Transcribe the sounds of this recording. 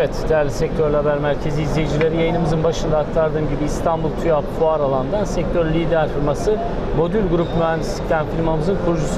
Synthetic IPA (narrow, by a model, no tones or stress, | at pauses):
evɛt̪d̪̥ejæɾlʲisɛc̚t̪ʰøɾlʲhabæɾmæɾcʰe̞ziːzlʲejid͡ʒilʲe̞ɾijajɯnɯmɯzɯnbaʃɯnd̪aːk̚t̪ʰaɾd̪ɯːmɟibiːst̪ʰanbulˠt̪ʰujapfuaɾalˠand̪ansɛc̚t̪ʰøɾlʲid̪æɾfilʲmasɯ | mo̞d̪ylʲɡuɾupmyɦænd̪isi̥ct̪ʰæmfilʲmamɯzɯnkʰuɾud͡ʒus